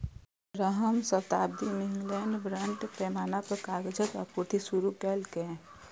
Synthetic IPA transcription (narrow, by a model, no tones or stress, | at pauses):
ɾəɦəmsət̪aːb̚d̪imiŋɡlɛːɳɖbɾəɳʈpɛːmaːnapəɾkaɡd͡ʒət̪ɔ̰ɾpuɾt̪ʰisuɾukɛlke